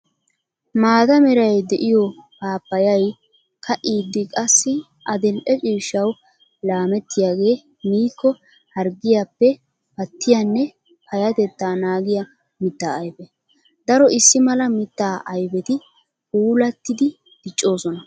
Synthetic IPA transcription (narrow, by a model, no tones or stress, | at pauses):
maːd̪ɐmɛɾɐjd̪ɛʔɪjɔkaːpːɐjɐj | kʰɐʔiːd̪ːɪkʼɐsːɪ | ʔɐd̪ɛlʔɛt͡ʃʼiːʃːɐw | laːmɛt̪ːɪjaːɡe̞ː | miːkːɔ | hɐɾɡɪjapːɛ | pɐt̪ːɪjanːɛ | pʰɐjɐt̪ɛt̪ːaːnaːɡɪjɐ | mɪt̪ːaːjbɛ | d̪ɐɾɔʔɪsːɪmɐlɐmɪt̪ːaːʔɐjbɛt̪ɪ | uːlɐt̪ːɪd̪ɪ | d̪̥ɪt͡ʃʼːo̞ːsɔnɐ